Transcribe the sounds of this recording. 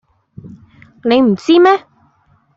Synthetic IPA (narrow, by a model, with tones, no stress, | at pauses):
ne˨˧jm̩˨˩t͡siː˥mɛː˥